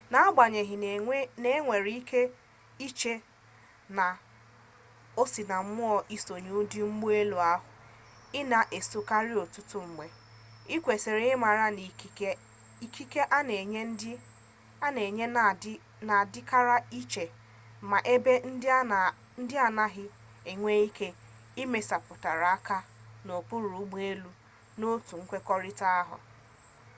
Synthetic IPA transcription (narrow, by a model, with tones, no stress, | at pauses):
na˨˦ɡ͡ba˨ɲe˨ɦɪ˨n˨˦ne˦ŋʷe˨ɾi˦i˦ke˦ | i˦t͡ʃe˦ | na˨ | o˦si˨na˨m̩˦mʊ˦ɔ˨ʔi˦so˨ɲu˦di˦ŋ͡m̩˦ɡ͡bu˦e˦lu˨a˦ɦʊ˨ | ɪ˦na˨ʔe˨so˨ka˦ɾɪ˦o˨tʊ˦tʊ˦ŋ͡m̩˨ɡ͡be˨ | i˦kʷe˨se˨ɾe˨˦ɪ˦ma˨ɾa˦n˨˦ | i˨kʰi˦ke˦ʔa˦ne˨ɲe˦n˦d | a˦ne˨ɲe˦ | na˨dɪ˦ka˦ɾa˦i˦t͡ʃe˨ | ma˨ʔe˦be˦n̩˦ | n̩˦dɪ˦a˨na˦ɦɪ˦ | e˨ŋʷe˦i˦ke˦ | i˦me˦sa˨pʊ˨ta˨ɾa˨a˦ka˦no˨pʊ˦ɾu˨u˦ɡ͡be˦lu˦ | no˦tu˨ŋ̩˦kʷe˦kɔ˦ɾɪ˦ta˦a˦ɦʊ̰˨